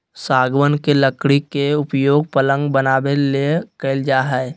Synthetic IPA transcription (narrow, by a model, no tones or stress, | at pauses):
saːɡwənkeləkɽikeʊpjoːɡ̚pələ̃ŋɡbənaːbelekəɪld͡ʒaːɦɛ